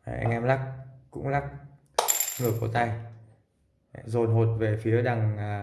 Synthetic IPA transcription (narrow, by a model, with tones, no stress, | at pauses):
ʔʔɛ̰˧ŋʔɛ˧mla˦˥k̚kʊ̰˧˥ŋ͡mla˦˥k̚ | ŋɨ˨˩əku˧˩t̪a˧j | zo˨˩nɦo˨˩t̚ve˨˩fi˨˦əɗa˨˩ŋ˨